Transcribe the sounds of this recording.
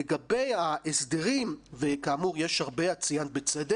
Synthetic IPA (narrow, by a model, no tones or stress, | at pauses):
eɡabejaʔesd̪eʁimvekaːmuʁjeʃhaʁbeat͡sijanbet͡sed̪e